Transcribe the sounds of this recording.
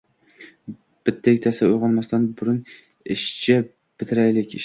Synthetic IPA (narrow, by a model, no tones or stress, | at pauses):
b̥ɪt̪ʰːek̚ʲt̪ʰasaʊjʁɑlˠmast̪anbʊɾʊn | ɪʃt͡ʃʰa | b̥ɪt̪ʰɪɾajlɪkʲɪʃ